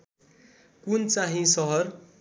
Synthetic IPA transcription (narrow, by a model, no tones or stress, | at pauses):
kunt͡saɦĩsʌɦʌr